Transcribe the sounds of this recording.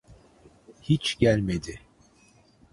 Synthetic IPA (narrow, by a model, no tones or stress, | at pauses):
hit͡ʃɟælʲmed̪ɪ